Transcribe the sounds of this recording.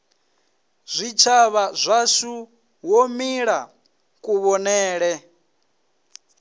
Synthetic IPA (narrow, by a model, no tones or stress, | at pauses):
z̥ʷit͡ʃʰaβazʷasu | wɔmiɺa | kʼuβɔnɛːɺɛ